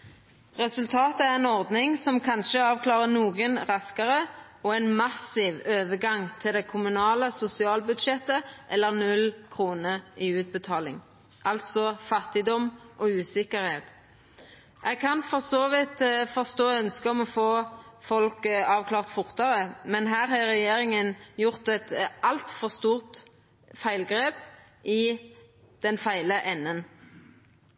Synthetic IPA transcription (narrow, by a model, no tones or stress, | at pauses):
ʁɛsʉlt̪ʰɑːt̪əæʁɛnɔʁd̪nɪŋsɔmkʰɑnʃəɑːʋkʰlɑːʁənuːɡənʁɑskəʁə | ɔɛɪnmɑsɪːʋøːʋəɡɑŋt̪ʰɪld̪ɛkʰʊmʉnɑːləsʊsɪɑːlbʉd̪ʃɛt̪əʔɛlːəʁnʉlkʰʁuːnəʁiʉːt̪̚bət̪ʰɑːlɪ̰ŋ | ʔɑlt̪sɔfɑt̪ɪd̪ɔmʔɔʉːsɪkəʁheːt̪ | ʔɛɡkʰɑnfɔʁsoːʋɪt̪fɔʁst̪oːœnskəɔmɔfoːfɔlkɑːʋkʰlɑːʁt̪fʊʁt̪əʁəmɛnɦæːʁhɑʁɛjeːɾɪŋənjʊʁt̪ɛt̪ʔɑlt̪fɔʁst̪uːʁt̪ | fæɪlɡʁeːp | ʔɪ | d̪̥ɛnfæɪləʔɛnːən